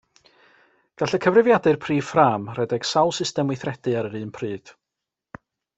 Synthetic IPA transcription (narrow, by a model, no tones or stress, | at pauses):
ɡ̥aɬəkʰəvrɪvjadɨrpʰri̥ːframrɛdɛɡ̥sawlˠsɪstɛmwɪθrɛdɨaɾəɾɨːnpʰrɨːd̥